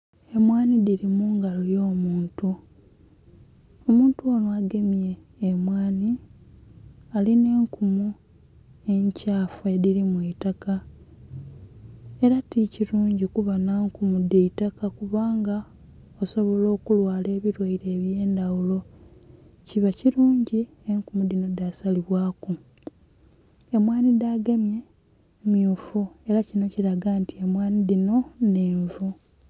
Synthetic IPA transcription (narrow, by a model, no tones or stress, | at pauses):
e̞mwaːnidiɾimuːŋɡalojo̞ːmuːntu | o̞muːntuonoaɡe̞mje̞ː | mwaːni | aline̞ːŋkumu | e̞ɲcaːfueðiɾimweitaka | e̞ɾaticiɾuːɲɟikuβanaːŋkumudeitakakuβaːŋɡa | oso̞βo̞lo̞ːkulwaːle̞ːβiɾwaiɾe̞ːβjeːndawulo̞ | ciβaciɾuːɲɟi | eŋkumud̪ino̞dasaliβwaːku | e̞mwaːnidaɡamje̞ | mjuːfue̞ɾacino̞ciɾaɡantʰie̞mwaːnidino̞neːɱvu